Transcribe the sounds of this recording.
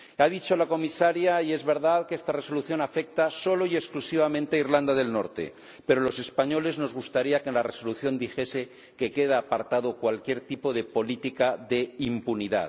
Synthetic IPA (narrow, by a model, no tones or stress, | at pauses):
aðit͡ʃo̞lako̞misaɾjaie̞zβe̞ɾðaðkest̪are̞so̞luθjo̞nafe̞k̚t̪aso̞lo̞ieksklusiβ̞amẽnt̪eaiɾland̪aðe̞lno̞̰ɾt̪e̞̰ | pe̞ɾo̞lo̞se̞spaɲo̞le̞zno̞zɣust̪aɾiakenlare̞so̞luθjo̞nd̪ixe̞se̞ | ke̞ke̞ðaːpaɾt̪að̞okwalkje̞ɾt̪ipo̞ðe̞po̞lit̪ikaðe̞impuniða̰ð